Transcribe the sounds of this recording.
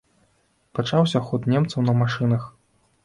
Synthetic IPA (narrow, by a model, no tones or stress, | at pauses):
pat͡ʂawsʲɐxɔt̪nʲɛmt̪sɐwnɐmaʂɨnɐx